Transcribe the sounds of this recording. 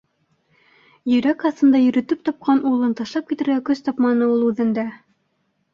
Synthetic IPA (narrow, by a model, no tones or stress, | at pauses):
jɵ̆ɾækɑθɤ̆nd̪ɑjɵ̆ɾɘ̆t̪ɘp̚t̪ɑp̚qɑnulˠɤnt̪ɑʃlˠɑp̚kit̪ɘ̆ɾɡækɵst̪ɑpmɑnɤulˠʉðɘ̆nd̪æ